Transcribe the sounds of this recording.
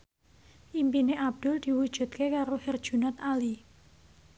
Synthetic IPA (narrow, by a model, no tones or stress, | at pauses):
ʔimpineʔab̚d̪̥ʊ̤ld̪̥i̤wud̥ʒ̥ṳt̪̚kekaɾohɪrd̥ʒ̥ṳnɔt̪ali